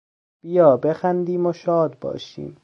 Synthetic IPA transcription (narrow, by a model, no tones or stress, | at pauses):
b̥ijɒːbexænd̪iːmoʃɒːd̪̚bɒ̰ːʃḭːm